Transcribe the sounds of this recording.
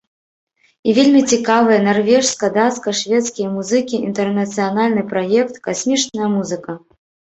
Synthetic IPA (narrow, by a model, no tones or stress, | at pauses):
ivʲelʲmʲit͡sʲikavɨjɐnarvʲɛʂskɐd̪askɐʂvʲɛt̪skʲijɐmuzɨkʲiḭnt̪ɛrnɐt̪sɨjanalʲnɨpɾajɛkt̪kasʲmʲit͡ʂnɐjɐmuzɨkɐ